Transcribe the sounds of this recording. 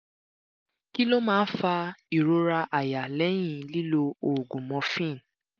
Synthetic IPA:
ki˦lo˦mãː˦˧˦fa˧i˨ɾo˧ɾa˧ʔa˨ja˨lɛ˨˦j̃ĩ˦˨li˦lo˧o˨ɡũ˨mɔ̃˧fĩ˦˨n

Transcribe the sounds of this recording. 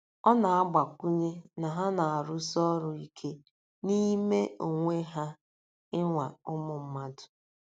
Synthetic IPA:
ɔ˦na˨a˦ɡ͡ba˨kʷu˦ɲe˦na˨ɦa˦na˨a˨ɾʊ˦sɔ˦ɾʊ˨i˦kʰe˦ | ni˦me˦o˨ŋʷe˦ɦa˦ | ɪ˦ŋʷa˨ʊ˦mʊ˨m̩˦ma˦dʊ̥˨

